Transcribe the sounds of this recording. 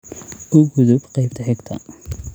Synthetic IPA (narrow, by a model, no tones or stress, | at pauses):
ʔʊɡʊðʊbqɑjb̚t̪ʰɐħɪɡt̪ʰɐ̰